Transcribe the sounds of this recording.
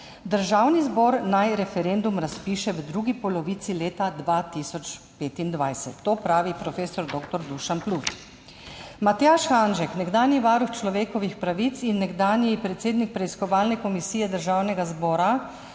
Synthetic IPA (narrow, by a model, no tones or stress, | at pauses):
d̪əɾʒaːwnizbɔːɾnajɾɛfɛɾend̪umɾaspiːʃɛʋd̪ɾuɡipɔlɔʋit̪sileːt̪ad̪ʋaːt̪isɔt͡ʃ | peːt̪ind̪ʋajsɛt̪ːoːpɾaːʋipɾɔfeːsɔɾd̪oːkt̪ɔɾd̪uʃanplus | mat̪jaʃxanʒɛknɛɡd̪aːnjiʋaːɾuxt͡ʃlɔʋeːkɔʋixpɾaʋit̪sinːɛɡd̪aːnjipɾɛt̪seːd̪nik̚pɾɛiskɔʋaːlnɛkɔmisijɛd̪əɾʒaːwnɛɡazbɔːɾa